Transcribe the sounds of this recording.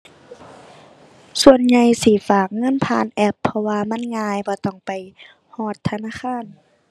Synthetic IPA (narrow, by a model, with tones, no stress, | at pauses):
su˧˨ənɲa˧jsiː˧˩faː˨˩k̚ŋɤ˧˥˨npʰaː˧˥˨nʔɛ˧pʰːɔ˧waː˧ma˧˥˨nŋaː˧jbɔː˧˦t̪ɔ˧˩ŋpa˨j | hɔː˧˩t̪ʰːa˧naː˧˥˨kʰaː˧˥˨n